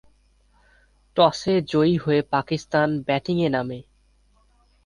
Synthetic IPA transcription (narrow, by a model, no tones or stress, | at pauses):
ʈɔsed͡ʑoiɦoepakist̪anbɛʈiŋename